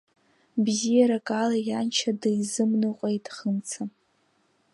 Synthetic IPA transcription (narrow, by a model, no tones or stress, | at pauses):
bzijaɾakʼalajant͡ʃʰadɨjzɨmnɨqʷʼejtʼχənt͡sʰa